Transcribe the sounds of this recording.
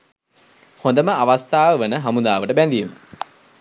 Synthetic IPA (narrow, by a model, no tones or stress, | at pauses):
hõnd̪əməaʋast̪aːʋəʋənəɦamund̪aːʋəʈəbænd̪iemə̰